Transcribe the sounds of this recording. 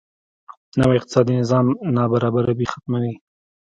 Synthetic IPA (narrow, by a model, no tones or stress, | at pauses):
nawɪq̚t̪ɪ̥sɑd̪inɪzɑmnɑbaɾɑbaɾabixḁt̪mawi